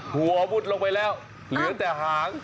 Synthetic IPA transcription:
hu˨˩ɔ˧bu˧˥˩t̪̚lo˧ŋpa˧jlɛː˥˩w | lɯː˨˩˦ət̪ɛː˨˩ɦaː˨˩˦ŋ

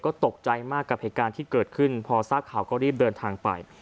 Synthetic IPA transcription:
kɔː˥˩t̪o˨˩k̚t͡ɕa˧jmaː˥˩kːa˨˩p̚heː˨˩t̪̚kaː˧nt̪ʰiː˥˩kɤː˨˩t̪̚kʰɯ˥˩npʰɔː˧sa˦˥p̚kʰːaː˨˩˦wkɔː˥˩ɾiː˥˩p̚dɤː˧nt̪ʰaː˧ŋpa̰˧j

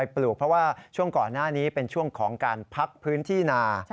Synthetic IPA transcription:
a˧jpluː˨˩k̚pʰɾɔ˦˥waː˥˩t͡ɕʰu˥˩əŋkɔː˨˩nːaː˥˩niː˦˥pe˧nt͡ɕʰu˥˩əŋkʰɔː˩˦ŋkaː˧npʰa˦˥k̚pʰɯː˦˥nt̪ʰiː˥˩naː˧

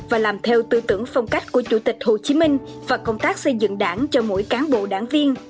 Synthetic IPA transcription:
vaː˨˩laː˨˩mt̪ʰɛ˧wt̪ɨ˧t̪ɨ˧˩əŋfa˧wŋ͡mka˦˥jk̟̚ku˧˩ət͡ɕu˧˩t̪ï˨˩k̟̚ho˨˩t͡ɕi˨˦mï˧ŋ̟ | vaː˨˩kə˧wŋ͡mt̪aː˦˥k̚sə˧jzɨ̰˧˨ŋɗaː˧˩nt͡ɕɔ˧mo̰˧˥jkaː˨˦nɓo̰˧˨ɗa̰ː˧˩ŋvi˧ən

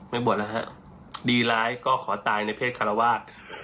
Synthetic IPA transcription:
ma˥˩jbu˨˩ət̪̚la˦˧˩ɦa̰˦˥ʔ | diː˧laː˦˥jkɔː˥˩kʰɔː˩˦t̪aː˧jna˧jpʰeː˥˩t̪̚kʰa˧ɾa˧waː˥˩t̪̚

